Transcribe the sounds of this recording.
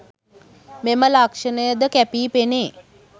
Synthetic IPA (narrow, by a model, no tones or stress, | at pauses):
meməlakʂənəjəd̪əkæpiːpeneː